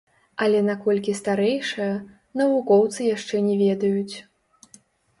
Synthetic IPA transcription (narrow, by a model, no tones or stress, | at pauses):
ɐlʲɛnakɔlʲkʲist̪aɾɛjʂɐjɐ | nɐvukɔwt̪sɨjaʂt͡ʂɛnʲɛvʲɛd̪ɐjut͡sʲ